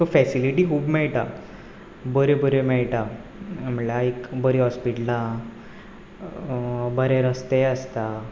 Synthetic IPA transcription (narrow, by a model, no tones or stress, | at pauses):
t̪ofɛsiliʈiːkuːbmɛɭʈa | bəɾebəɾemɛɭʈam̤əɭaikbəɾiɦɔspiʈla | bəɾeɾəst̪eəst̪a